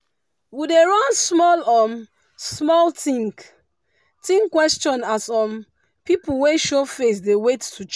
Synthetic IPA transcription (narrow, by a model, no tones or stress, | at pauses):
wideɹɔ̃nsmɔlɔm | smɔltʰĩŋk | tĩŋkwɛst͡ʃɔ̃nasɔ̃m | pipulweʃofes̬dewettʰut͡ʃ